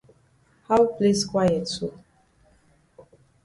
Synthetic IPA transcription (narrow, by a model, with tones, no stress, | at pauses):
ha˦wple˦skwa˦jɛ˨su˦